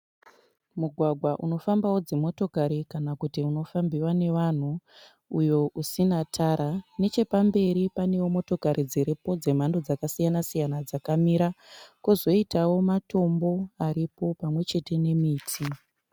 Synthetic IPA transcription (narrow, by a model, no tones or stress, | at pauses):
muɡʱwaɡʱwaʔuno̞fambawo̞d͡zemo̞to̞kaɾikanakutiuno̞fambiwane̞ʋan̤u | ujo̞ʔusinatʰaɾane̞t͡ʃe̞pambe̞ɾipane̞womo̞to̞kaɾʔid͡ziɾipo̞d͡ze̞m̤ando̞d͡zakasijanasijanad͡zakamiɾakuzo̞itawo̞mato̞mbo̞aɾipo̞pamwe̞t͡ʃe̞te̞ne̞miːtʰi